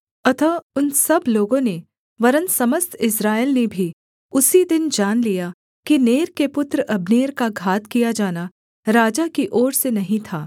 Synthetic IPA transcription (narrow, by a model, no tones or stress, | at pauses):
ɐt̪ʰaʊnsɐbloːɡõne | ʋɐɾənsɐməst̪ʰɪsɾaːɪlnebʱi | ʊsid̪ɪnd͡ʒaːnlija | kineːɾkepʊt̪ɾəʔɐbneːɾkaɡʱaːt̪kijad͡ʒaːna | ɾaːd͡ʒakiʔɔːɽsenɐɦĩt̪ʰaː